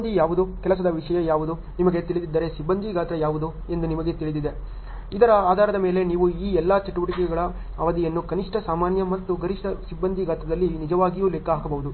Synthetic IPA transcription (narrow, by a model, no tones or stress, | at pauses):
nd̪ʱijaːʋud̪ukɛlɐs̬ɐd̪ɐʋiʂɐjɐjaːʋud̪u | nimɐɡe̞t̪iɭid̪id̪ːɐːɾe̞sibːɐnd̪ʱiɡaːt̪ɐjaːʋud̪u | end̪unimɐɡe̞t̪iɭid̪id̪e | id̪ɐɾɐaːd̪ʱaːɾɐd̪ɐme̞ːle̞niːʋuiːɛlːat͡ʃɐʈuʋɐʈikɛɡɐɭɐ | ɐʋɐd̪ijɐnːukɐniʂʈɐsaːmaːnjɐmɐt̪ːuɡɐɾiʂʈɐsibːɐnd̪ʱiɡaːt̪ɐd̪ɐlːinid͡ʒɐʋaːɡijuːlekːɐɦaːkɐbɐɦud̪u